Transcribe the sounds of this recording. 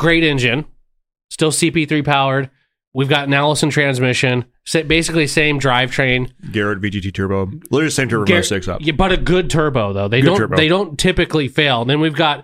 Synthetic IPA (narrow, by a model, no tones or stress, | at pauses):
ɡ̥ɹeɪɾɛ̃nd͡ʒɨ̃n | stɪlˠsipiθɹipʰaʊə˞d̚ | wivɡɑtⁿnælˠəsn̩tʰɹ̥æ̃nzmɪʃɨ̃n | sɛbeɪsɨklisẽɪ̃mdɹaɪv̥tʰɹ̥ẽɪ̃nɡɛɹɨt̚vid͡ʒitʰitʰɜ˞boʊlɪsẽɪmntʰə˞bʌvsɪksʌ̰pjæb̥ʌɾɨɡʊd̚tʰɜ˞boʊðoʊðeɪõʊ̃ə˞ðeɪɾõʊ̃ntʰɪpɨklifeɪlˠn̩ðɨ̃nwivɡɑt̚